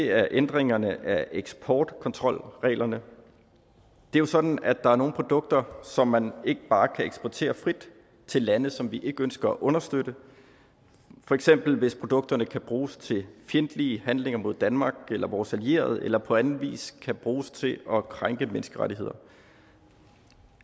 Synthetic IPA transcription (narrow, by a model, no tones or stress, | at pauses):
deæɐʔend̥ʁeŋɐnəʔæʔeɡ̥sbʰɒːd̥kʰɒ̽nt͡sʰʁɒ̽l̰ʁɛ̰ːlɐnə | d̥eɐjo̝sɒ̽d̥n̩æd̥ɑ̈æɐno̝ːn̩pʰʁo̝d̥ɔ̽ɡ̥̚d̥ɐsɒ̽mːæne̝ɡ̥əb̥ɑ̈ːkʰæeɡ̥sb̥ɒt͡sʰḛːɐfʁid̥ | t͡sʰe̝lːænð̩ˠsɒ̽mʋiʔe̝ɡ̥əønsɡ̥ɐɒʔɔ̽nɐsd̥ød̥ə | fɒ̽eɡ̥sem̰b̥l̩ʋe̝spʰʁo̝d̥ɔ̽ɡ̥̚d̥ɐnəkʰæb̥ʁuːst͡sʰe̝fjend̥liːəhænle̝ŋɐmo̝ð̞̰ˠd̥ænmɑ̈ːɡ̥elɐʋɒːsælie̝̰ːɐð̩ˠelɐpʰɒ̽ænn̩ʋḭːskʰæb̥ʁuːst͡sʰe̝ʔɒ̽kʰʁaŋɡ̥əmensɡ̥əʁaɾiɦe̝ð̰ˠɐ